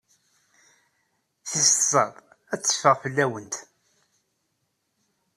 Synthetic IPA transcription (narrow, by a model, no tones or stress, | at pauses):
θist̪sˤəðˤ | æt͡sːə̥fəʁfəlːæwənt̪